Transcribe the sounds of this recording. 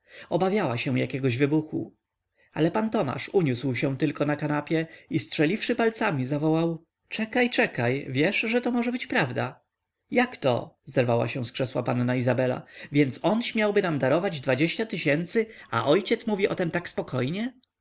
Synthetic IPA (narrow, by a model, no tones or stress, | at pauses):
ɔbavʲjawaɕɛ̃w̃jakʲɛɡɔʑvɘbuxṵ | a̰lɛpant̪ɔma̰ʂuɲuswɕɛ̃t̪ɘlkɔnakanapʲjɛistʂɛlʲifʂɘpalt̪samʲizavɔwaw | t͡ʂɛkajt͡ʂɛkajvʲjɛʂʐɛt̪ɔmɔʐɛbɘt͡ɕpɾavd̪a̰ | jakt̪ɔ̰zɛɾvawa̰ɕɛ̃w̃skʂɛswa̰panːaizabɛla̰vʲjɛnt̪sɔnɕmʲjawbɘnamd̪aɾɔvad͡ʑd̪vad͡ʑeɕt͡ɕat̪ɘɕɛnt̪sɘa̰ʔɔjt͡ɕɛt̪smuvʲiʔɔt̪ɛmt̪akspɔkʰɔjɲɛ